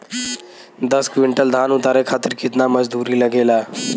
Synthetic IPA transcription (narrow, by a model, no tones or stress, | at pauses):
d̪ɐskʋɪ̃ɳʈəld̪ʱaːnʊt̪aːɾekʰaːt̪ɪɾkɪt̪namɐd͡ʒd̪uːɾilɐɡeːlaː